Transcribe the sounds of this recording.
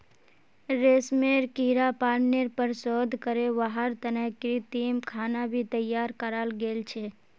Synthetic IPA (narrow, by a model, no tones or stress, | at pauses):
ɾeːsmeɾkiɾapaːɾneɾpəɾsɔd̪ʱkəɾeʋaɦəɾt̪ənəɦkɾit̪imkʰaːnabʱit̪əjːaːɾkəɾalɡeːlt͡ʃʰe